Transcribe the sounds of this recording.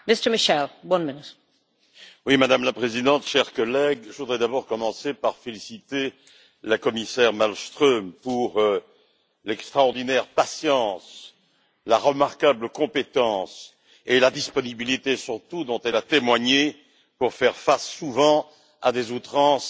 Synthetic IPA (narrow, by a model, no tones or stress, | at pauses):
mɪstə˞mɪʃɛlwʌ̃nmɪnɪt | wimad̪amlapχezid̪ɑ̃t̪ʃɛʁkɔlɛɡʒəvud̪ʁɛd̪abɔʁkɔmɑ̃sepaʁfelisit̪e | lakɔmisɛʁmalst̪χømpuʁ | lɛkst̪χaɔʁd̪inɛʁpasjɑ̃s | laʁəmaʁkabləkɔ̃pet̪ɑ̃s | elad̪ispɔnibilit̪esyʁt̪ud̪ɔ̃t̪ɛlat̪emwaɲe | puʁfɛʁfasːuvɑ̃ | ad̪ezut̪χɑ̃s